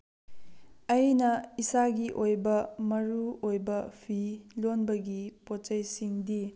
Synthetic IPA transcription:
ɐjnɐisaɡiʔojbɐmɐɾuojbɐpʰilonbɐɡipot͡ʃɐjsiŋdi

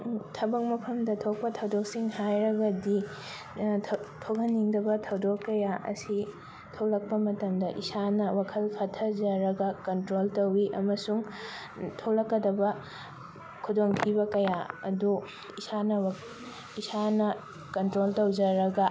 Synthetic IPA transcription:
tʰɐbɐk̚mɐpʰɐmdɐtʰok̚pɐtʰɐwdok̚siŋhajɾɐɡɐdi | tʰokʰɐnːiŋdɐbɐtʰɐwdokːɐjaʔɐ̰si | tʰowlɐk̚pɐmɐtɐmdɐʔisanɐwakʰɐlpʰatʰɐd͡ʒɐɾɐɡɐkɐntɾoltɐwiʔɐmɐsuŋ | tʰolɐkːɐdɐbɐ | kʰudoŋkʰibɐkɐjaɐ̰du | isanɐw | isanɐ | kɐntɾoltɐwd͡ʒɐɾɐɡɐ

